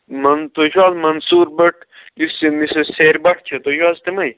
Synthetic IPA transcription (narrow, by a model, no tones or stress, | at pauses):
mɐnt̪oʒaːzmɐnsuːɾbɐʈ̚ʰlisimiseseːɾbɐʈʰt͡ʃʰɐt̪oʃaːzt̪emɐj